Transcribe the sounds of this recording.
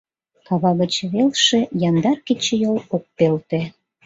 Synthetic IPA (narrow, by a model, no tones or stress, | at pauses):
kɑβɑɣət͡ɕβelʃĕjɑnd̪ɑrkit͡ɕejolok̚pelt̪ĕ